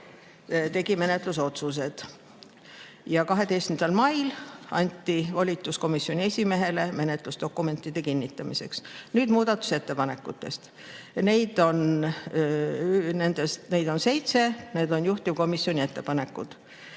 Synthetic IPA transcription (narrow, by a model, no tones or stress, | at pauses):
t̪e̞ɡ̥ime̞ne̞t̪ˑlus̬o̞t̪sus̬e̞d̪̥ | jɑkɑɦe̞d̪e̞jst̪mnd̪̥ɑlmɑjlɑnʲt̪ːivɑlʲit̪ːˑusko̞misjo̞nʲie̞sʲime̞ɦe̞le̞me̞net̪ˑlusd̪̥o̞kːˑume̞nt̪ːˑid̪̥e̞kinʲːit̪ːˑɑmise̞̰ksnyːd̪muːd̪̥ɑt̪ːˑu̥se̞t̪ːe̞pɑne̞kːˑut̪ˑːe̞̰st̪ | ne̞jd̪̥o̞n | ne̞nd̪̥est̪ne̞jd̪o̞nse̞jt̪se̞ne̞ːd̪̥o̞njuht̪ivko̞misjo̞nʲie̞t̪ːe̞pɑne̞kːˑud̪̥